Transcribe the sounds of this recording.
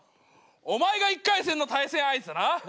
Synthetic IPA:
omaeɡaikːaisenːot̪aisẽɰ̃aisɨɾa

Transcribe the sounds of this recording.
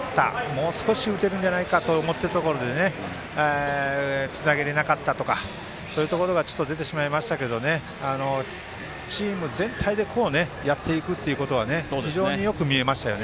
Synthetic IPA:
at̪a̰mo̞ːsɨ̥ko̞ɕiɯ̟t̪e̞ɾɯ̟̃n̟d͡ʑanaikat̪o̞ːmo̞t̪ːe̞ɾat̪o̞ko̞ɾo̞d̪e̞ne̞ | e | t͡sɨnaɡe̞ɾe̞nakat̪ːat̪o̞ka | so̞ːjɯ̟t̪o̞ko̞ɾo̞ɡat͡ɕo̞̥t̪ːo̞d̪e̞t̪̬e̞ɕimaimaɕi̥t̪aked̪o̞ne̞ | ano̞ | t͡ɕiːmɯ̟zẽ̞nt̪ʰaid̪e̞kʰo̞ːne̞jat̪ʰːe̞ikɯ̟t̪ːe̞iɯ̟ko̞t̪o̞β̞ane̞sodʲiʑo̞ːɲijo̞kɯ̟mʲie̞maɕi̥t̪ajo̞̰ne

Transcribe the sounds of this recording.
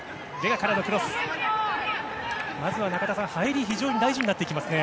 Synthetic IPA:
d̪e̞ɡakaɾanokɯɾosɨ̥ | mazɨβanakat̪asãhaiɾʲiçiʑo̞ːɲ̟id̪aiʑiɲ̟inat̪ːe̞ikʲimasɨne̞

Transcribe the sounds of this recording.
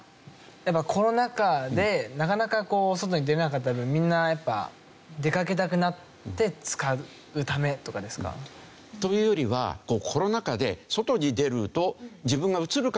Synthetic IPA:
japːakʰo̞ɾo̞nakad̪e̞nakanakako̞ːso̞t̪̬o̞ɲid̪e̞ɾenakat̪ːat̪ːbɯ̟̃mmʲĩnːajapːa̰ | d̪e̞kak̬e̞t̪akɯ̟nat̪ː | e̞t͡sɨ̥ka | ɯ̟t̪ame̞t̪o̞kad̪e̞sɨ̥ka̰ | t̪o̞jɯ̟ːjo̞ɾʲiβa̰ko̞ːkʰo̞ɾo̞nakad̪e̞̰so̞t̪o̞ɲ̟id̪e̞ɾɯ̟t̪o̞d͡ʑibɯ̃ŋɡaɯ̟t͡sɨɾɯ̟k

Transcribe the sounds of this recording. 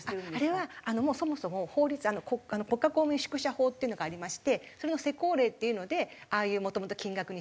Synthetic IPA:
aaɾe̞βaano̞mo̞ːso̞mo̞so̞mo̞ho̞ːɾʲit͡sɨano̞koano̞ko̞kːakoːmɯ̟ɲiɕɨ̥kɯ̟ɕaho̞ːt̪ːeɯno̞ɡaːɾʲimaɕi̥t̪e̞so̞ɾe̞no̞se̞ko̞ːɾe̞ːt̪ːe̞jɯ̟no̞d̪e̞aːjɯ̟ːmo̞t̪o̞mot̪o̞̥kʲĩŋɡakɯ̟ɲ̟i

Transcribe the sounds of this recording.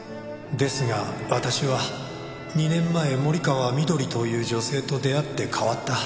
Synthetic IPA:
d̪e̞sɨɡaβat̪aɕiβa | ɲ̟inẽ̞mːae̞mo̞ɾʲikaβamʲid̪o̞ɾʲit̪o̞jɯ̟ːd͡ʑo̞se̞ːt̪o̞d̪e̞at̪ːe̞kʰaβat̪ːa

